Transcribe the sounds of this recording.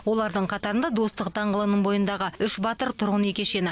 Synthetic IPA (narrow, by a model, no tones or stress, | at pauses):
wo̞lˠɑɾd̪əɴqʰɑt̪ɑɾənd̪ɑd̪o̞st̪əq̚d̪ɑɴʁəlˠənəɴbo̞jənd̪ɑʁəʏʃbɑt̪əɾt̪ʰʊɾʁəne̞kʲe̞ʃe̞nɪ